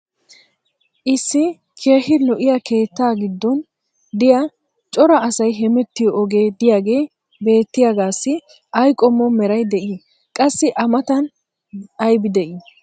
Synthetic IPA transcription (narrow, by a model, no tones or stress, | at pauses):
ʔɪsːɪ | kʰeːhɪlɔʔɪjake̞ːt̪ːaːɡɪd̪ːɔn | d̪ɪjɐ | t͡ʃʼɔɾɐːsɐjɦɛmɛt̪ːɪjɔːɡe̞ːd̪ɪjaːɡe̞ː | be̞ːt̪ːɪjaɡaːsːɪ | ɐjkʼɔmːɔmɛɾɐjd̪ɛʔi | kʼɐsːɪʔɐmɐt̪ɐn | ɐjbɪd̪ɛʔi